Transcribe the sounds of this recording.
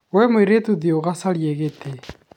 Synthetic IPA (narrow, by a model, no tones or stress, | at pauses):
wɛmweɾetuðjoɣasaɾjeɣete